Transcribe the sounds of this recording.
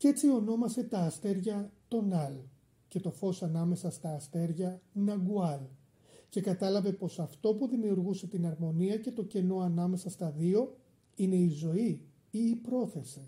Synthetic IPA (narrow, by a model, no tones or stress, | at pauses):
ce̞t͡sio̞no̞mɐse̞t̪ɐːst̪e̞ɾʝɐt̪o̞nɐl | ce̞t̪o̞fo̞sɐnɐme̞sɐst̪ɐːst̪e̞ɾʝɐnɐɡuɐl | ce̞kɐt̪ɐlɐve̞po̞sɐft̪o̞puðimiuɾɣuse̞t̪inɐɾmo̞niɐce̞t̪o̞ce̞no̞ɐnɐme̞sɐst̪ɐðio̞ | ine̞izo̞i | iːpɾo̞θe̞si